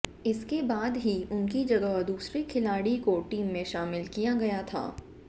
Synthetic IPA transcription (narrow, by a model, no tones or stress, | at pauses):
ɪskebaːd̪ɦiʊnkid͡ʒɐɡəɦd̪uːsɾikʰɪlaːɽikoʈiːmːẽʃaːmɪlkijaɡɐjat̪ʰa̰ː